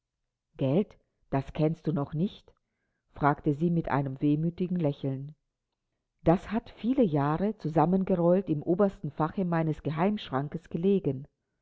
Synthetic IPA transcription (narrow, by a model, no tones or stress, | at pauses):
ɡ̥ɛlt | d̥askʰɛnstd̥uːnɔχnɪçt | fʁ̥aːktəziːmɪtʔa̰ɪnəmveːmyːtɪɡŋ̩lɛçl̩n | d̥ashatfiːləjaːʁət͡suzamənɡəʁɔltɪmʔoːbɐstn̩faχəmaɪnəsɡ̥əɦaɪmʃʁ̥aŋkəsɡ̥əleːɡən